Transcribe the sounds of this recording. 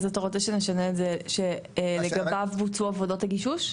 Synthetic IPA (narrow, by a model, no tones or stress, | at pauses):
zatoʁot͡seʃeneʃaneːtzeʃeleɡabavvut͡suavodo̞thaɡiʃuʃ